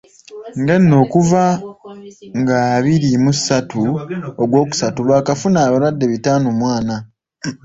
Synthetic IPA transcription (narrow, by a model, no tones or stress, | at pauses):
ŋɡenːo̞ːkuva | ŋɡaːβiɾimusatuoɡwo̞ːku̥satulwaːkafunaːβaɾwadːe̞βitaːnomwaːna